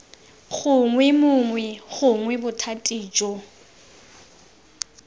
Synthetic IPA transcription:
χʊŋwɛmʊŋwɛχʊŋwɛbʊtʰatʼiːd͡ʒɔ

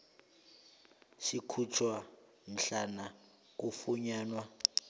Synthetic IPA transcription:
ʃikʰut͡ʃʰwa | m̩ɬana | k̬ufuɲaːnwa

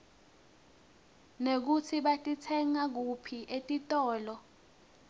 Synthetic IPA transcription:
nek̬ut͡sʰiɓatʼitʰɛŋak̬upʰiʔetʼitʼɔːlɔ

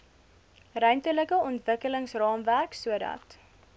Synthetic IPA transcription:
rœɥntələkəɔntvəkələŋsrɑːmværksuədɐ̰t

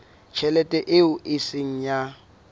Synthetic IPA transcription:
t͡ʃʰɛlɛtʼɛʔɪʊʔɪsɪŋ̩ja

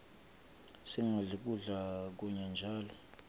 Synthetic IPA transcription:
siŋʱaɮik̬ʼuɮak̬uɲand͡ʒʱaːlɔ

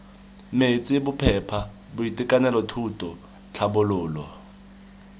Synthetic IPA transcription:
met͡sʼɪbʊpʰɛpʰa | bʊitʼɪkʼanɛlɔtʰutʼɔ | t͡ɬʰabʊlʊːlɔ

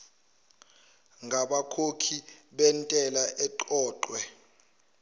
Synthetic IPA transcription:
ŋʱaɓakʰokʰiɓɛntʼɛlaʔɛǃɔːǃwɛ

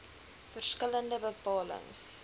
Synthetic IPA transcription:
fərskələndəbəpɑːlə̰ŋs

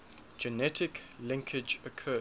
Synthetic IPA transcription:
d͡ʒənɛtʰɪklɪ̃ŋkʰɪd͡ʒəkʰɜː

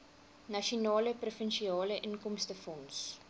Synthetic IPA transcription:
nɐʃɔnɑːləprofɛnʃiɑːləʔənkɔmstəfɔns

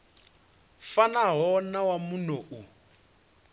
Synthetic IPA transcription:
fanaɦɔnawamunoʔu

